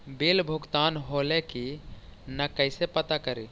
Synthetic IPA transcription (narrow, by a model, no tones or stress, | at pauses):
belbʱuɡt̪anɦolekinəkəɪsepət̪akəɾi